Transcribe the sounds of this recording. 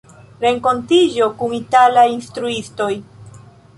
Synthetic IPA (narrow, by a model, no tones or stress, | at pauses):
ɾe̞ŋko̞ntid͡ʒo̞kuŋitalajinstɾuisto̞j